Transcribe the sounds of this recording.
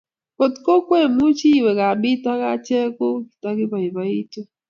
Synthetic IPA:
po˨tko˦kwe˦˨mu˦t͡ʃi˦˨wɛ˨ka˨bi˦ta˦ka˦t͡ʃɛ˦ko˦ki˨ta˦ki˦ba˨ji˨ba˨i˦to˦

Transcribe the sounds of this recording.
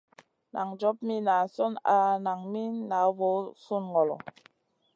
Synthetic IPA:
nʔa̰˨ŋd͡ʒɔ˨˦p̚mi˦na˨sɔ˦na˨na˨ŋmi˦na˨˦vɔ˨˦su˦nŋɔ˨lɔ̰˨

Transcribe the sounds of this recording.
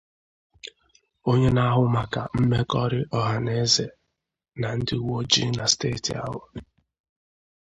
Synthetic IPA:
o˦ɲe˦na˦ɦʊ˦ma˨ka˨m̩˦me˦kɔ˦ɾɪ˦ʔɔ˨ɦa˨ne˦e˦ze˨ | na˨n̩˦dɪ˦u˦wo˦d͡ʒi˦na˨steː˦˨tḭ˨a̰˦ɦʊ˨

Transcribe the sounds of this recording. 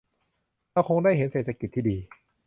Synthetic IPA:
laː˧˩wxʰo˧ŋdaː˥˩jɦe˩˦nseː˨˩t̪ʰːa˧ki˨˩t̪ʰːiː˥˩diː˧

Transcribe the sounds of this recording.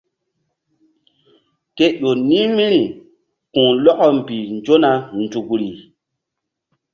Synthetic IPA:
ke˦ɗo˨nĩ˦mĩ˦ɾi˨ | kũ˨lɔ˦kɔ˨m̩˨pi˨nd͡ʒo˦na˨n˨tu˨kɾi˨

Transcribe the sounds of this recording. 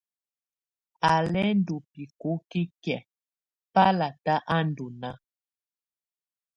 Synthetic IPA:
a˨lɛ˦n˦do˨pi˨ko˨˦ki˦kjɛ˨ | pa˦la˨ta˦ʔa˦ndo˨na˦

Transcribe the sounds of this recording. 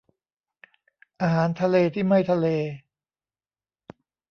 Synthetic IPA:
ʔaː˧ɦaː˩˦nt̪ʰa˧leː˧t̪ʰiː˥˩ma˥˩jt̪ʰa˧leː˧

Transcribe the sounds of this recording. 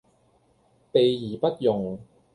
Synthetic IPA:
pe˨jjiː˨˩pɐ˥t̚jʊ˨˩ŋ

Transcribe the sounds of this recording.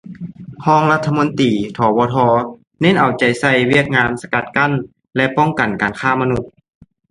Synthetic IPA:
kʰɔː˧˥ŋla˧˥t̪ʰːa˧mo˧˥˦nt̪iː˨˩t̪ʰɔː˨˧˦wɔː˧˦t̪ʰɔː˧ | ne˧˥˨nʔa˨˩wt͡ɕa˨˩jsa˧˩jwi˥˩ək̚ŋaː˧nsa˧ka˧˩t̪̚ka˧˥˨n | lɛ˧˥ʔpɔ˧˥˩ŋka˨˩nkaː˨nkʰaː˧˥˩ma˧nu˧˥t̪̚

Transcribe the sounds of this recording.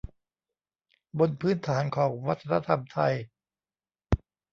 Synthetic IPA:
bo˧npʰɯː˥nt̪ʰaː˩˦nkʰɔː˩˦ŋwa˦˥t̪ʰːa˧na˧˥t̪ʰa˧mt̪ʰa˧j

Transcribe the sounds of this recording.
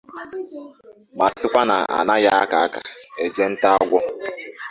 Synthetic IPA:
ma˨sɪ˦kʷa˦na̰˨a̰˨na˦ja˦a˦ka˨a˦ka̰˨e˨d͡ʒe˦n̩˦ta˦a˦ɡʷɔ˦

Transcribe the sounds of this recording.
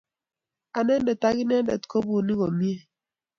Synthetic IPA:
a˨nɛ˦ndɛ˨ta˦ɣi˦nɛ˦ndɛ̰˨tko˦bu˨ni˦ɣo˨mi˦e˦˨

